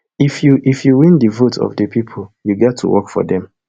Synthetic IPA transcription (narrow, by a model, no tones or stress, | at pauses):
ifjuʔifjuwĩndəvutʰɔ̰vdəpʰipʰoljuɡɛtʰːṵwɔkfɔ̰dɛ̃m